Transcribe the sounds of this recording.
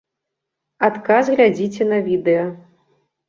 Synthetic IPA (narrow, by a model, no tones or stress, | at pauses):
at̪kazɣlʲad͡zʲit͡sʲɛnɐvʲid̪ɛjɐ